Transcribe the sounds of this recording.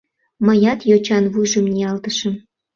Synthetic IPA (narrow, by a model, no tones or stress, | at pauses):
məjɑt̪jot͡ɕɑnβujʒəmnʲiɑlt̪əʃə̆m